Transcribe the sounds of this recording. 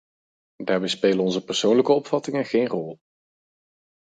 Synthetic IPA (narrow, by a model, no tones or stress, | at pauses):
daːɹbɛjspeːlənɔnzəpəɹsownləkəɔpfɑtɪŋənχejnrɔlˠ